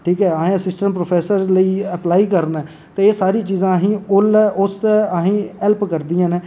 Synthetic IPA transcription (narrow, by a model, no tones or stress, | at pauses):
ʈʰiːkɛːəɦẽːəsɪsʈə̃ɳpɾoːpʰɛːsəɾləiːəplaːiːkəɾnɛː | t̪eːeːsaːɾiːt͡ʃiːzãːɦĩːʊlɛːʔʊst̪eəɦĩːɛlpkəɾd̪ijãːneː